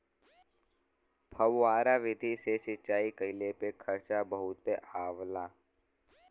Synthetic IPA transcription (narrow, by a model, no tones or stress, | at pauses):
bʰʱɐwːaːɾaʋɪd̪ʱisesɪt͡ʃaːikəɪlepekʰɐɾt͡ʃabəɦʊt̪eaːʋlaː